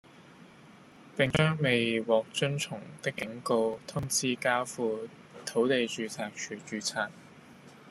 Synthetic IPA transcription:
p̪ɪ˨ŋt͡ʃœː˥ŋme˨jwɔː˨k̚t͡ʃɵ˥nt͡sʰʊ˨˩ŋt̪ɪ˥kːɪ˨˥ŋko˧wt̪ʰʊ˥ŋt͡sʰiː˥kaː˥fuː˧ | t̪ʰo˨˥wt̪e˨jt͡ʃyː˨˧t͡sʰaː˨˩k̚t͡ʃʰyː˨˩t͡ʃyː˨˧t͡sʰaː˨˩k̚

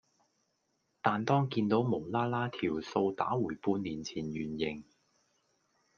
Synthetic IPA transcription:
t̪aː˨˧nt̪ɔː˥ŋkiː˧nt̪o˨˥wmo˨˩wlaː˥laː˥t̪ʰiː˨˩wso˧wt̪a̰ː˨˥wuː˨˩jpuː˧nniː˨˩nt͡sʰiː˨˩njyː˨˩njɪ˨˩ŋ

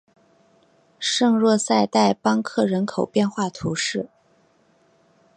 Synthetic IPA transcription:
ʂɤ˥˧ŋɻwɔ˥˧sa˥˧ɪt̪a˥˩ɪpɑ˥ŋkʰɤ˥˩ɻə˧˥nkʰo˨˩ʊpjɛ˥˧nxwa˥˩t̪ʰu˧˥ʂɻ̩˥˩

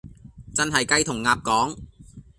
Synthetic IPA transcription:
t͡sɐ˥nɦɐ˨jkɐ˧jt̪ʰʊ˨˩ŋːaː˨p̚kɔː˨˥ŋ

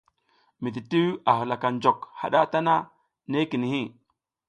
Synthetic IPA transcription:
mi˨di˨ti˦a˨ɦu˨la˨ka˨nd͡ʒo˨kha̰˨ɗa˦ta˦na˦ | ne˦ki˨ni˨hi˦

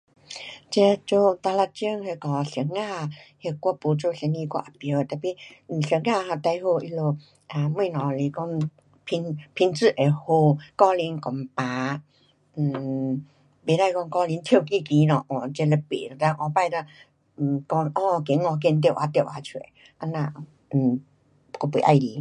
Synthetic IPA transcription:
t͡ɕɛ˧t͡ɕo˧t̪a˧la˧t͡ɕi˧˦ŋhe˧kɔ˧˩ɕə˨˦ŋːa˥˧˨he˧kʷɔ˧po˧˦t͡ɕo˧˨ɕɛ˧˦nĩ˧kwa̰˧ʔa˨˧˩pə˧˦˧t̪a˨˩pi˧n̩˨˩ɕə˨˧˦ŋːa˥˧˨ɦa˧t̪a˧jho˧ʔi˧lo˧ | a˨˧mwĩ˥˧nɔ̃˨˩li˧˩kɔ˥˧ŋ | pʰi˧ŋpʰi˧ŋt͡sɨ˥˧ʔe˨ho˧kɔ˥˧li˧˦nkɔ˨˦ŋpã˨˧˦ | be˨˦ɾa˧˨jkɔ˧ŋkɔ˧li˧˦nt̪ʰji˥˧˨ki˥˧˨ki˧˦nɔ̃˨ʔɔ˨t͡ɕe˧le˧pḛ˨a˧˩t̪a˧˦ʔɔ˧˦pa˧˨jta˧˩˨ | kɔ˧ŋʔɔ̃˧˨˧ke˨˦ŋɔ˧k̬e˧˨nt̪jwʔa˧t̪e˧˨wʔa˧t͡ɕʰwḛ˨ | ʔa˧nã˧˩˨ | kɔ˧pe˨˦ʔa˧jli˨˦

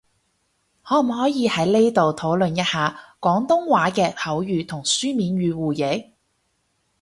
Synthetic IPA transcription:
hɔː˨˥˨hɔː˨˥jiː˨˧hɐ˨˥jle˥t̪o˨wt̪ʰo˨˥wlɵ˨njɐ˥t̚haː˨kɔː˨˥ŋt̪ʊ˥ŋwaː˨˥kɛː˧hɐ˨˥wjyː˨˧t̪ʰʊ˨˩ŋsyː˥miː˨˧nɥyː˨˧wuː˨˩je˨˥

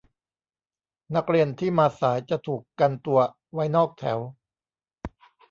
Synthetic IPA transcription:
na˦˥k̚ɾi˧ənt̪ʰiː˥˩maː˧saː˩˦jt͡ɕa˨˩t̪ʰuː˨˩kːa˧nt̪u˧ɐ | wa˦˥jnɔː˥˩k̚t̪ʰɛ̰ː˩˦w

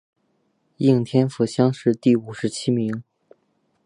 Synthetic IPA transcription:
i˥˩ŋt̪ʰjɛ˥nfu˧˩ɕjɑ˥ŋʂɻ̩˥˧t̪i˥˩u˨˩ʂɻ̩˧˥t͡ɕʰi˥mi˧˥ŋ

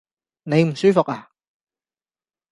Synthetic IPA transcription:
ne˨˧jm̩˨˩syː˥fʊ˨k̚aː˨˩

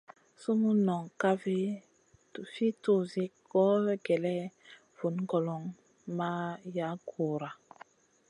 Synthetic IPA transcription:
su˦mu˦nɔ˨ŋka˦vi˦ | tu˨fi˦tu˦˨zi˦kɔ˦ɡɛ˨lɛ˦ | v̥u˨nɡɔ˨lɔ˨ŋ | ma˦ja˦ɡu˨ɾa˨

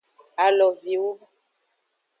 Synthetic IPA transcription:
a˨lɔ˨vi˨wo˦

